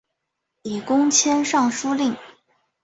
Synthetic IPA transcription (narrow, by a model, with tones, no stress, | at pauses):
i˨˩kʊ˥ŋt͡ɕʰjɛ˥nʂɑ˥˩ŋʂu˥li˥˩ŋ